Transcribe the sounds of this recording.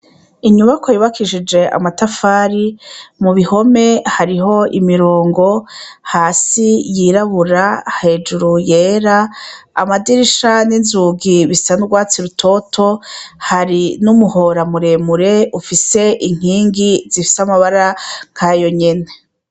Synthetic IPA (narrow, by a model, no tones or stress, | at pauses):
iɲuβakojuβakʰiʃid͡ʒe̞a̰matafaːɾimuβiho̞me̞haɾiɦo̞imiɾoːŋɡo̞haːsijiːɾaβuɾahe̞ːd͡ʒuɾujeːɾa̰ːmadiɾiʃaninzuːɡiβisanuɡwaːt͡siɾutʰo̞tʰo̞haɾinumuho̞ɾamuɾe̞muɾe̞ufise̞ʔiŋ̥iːŋɡizifi̥samaβaɾaŋ̥kʰajo̞ɲe̞ne̞